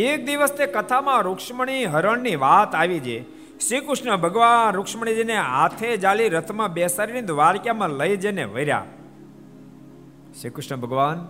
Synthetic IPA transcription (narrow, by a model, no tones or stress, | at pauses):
ek̚d̪iʋəst̪ekət̪ʰamãɾukʂməɳ̃iɦəɾəɳnːiʋat̪aʋid͡ʒe | ʃɾikɾʊʂnəbʱəɡʋanɾʊkʂməɳ̃id͡ʒeneat̪ʰed͡ʒaliɾət̪ʰmãbesaɾinid̪ʱʋaɾkjamãləid͡ʒeneʋəiɾja̰ | ʃikɾʊʃnəbʱəɡʋan